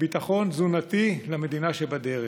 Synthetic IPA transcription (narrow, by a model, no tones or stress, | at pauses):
bit̪aχo̞nzunat̪ilame̞d̪inaʃebad̪eʁe